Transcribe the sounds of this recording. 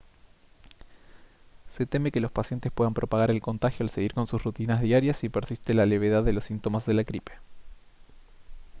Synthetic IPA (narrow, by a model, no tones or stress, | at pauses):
se̞t̪e̞me̞ke̞lo̞spasje̞nt̪espwe̞ðampɾo̞paɣaɾe̞lko̞nt̪axjo̞alse̞ɣiɾko̞nsusrut̪inazðjaɾjasipeɾsist̪elale̞β̞e̞ðaðːe̞losːint̪o̞mazðe̞lakɾipe̥